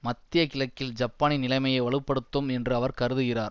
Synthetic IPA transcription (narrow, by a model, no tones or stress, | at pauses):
mɐt̪ːɪjɐkɪlɐkːɪld͡ʒɐpːaːnɪnːɪlɐɪmɐjɐɪʋɐɭɯpːɐɽɯt̪ːɯmɛndrɯɐʋɐɾkɐɾɯðɯɣɪraːɾ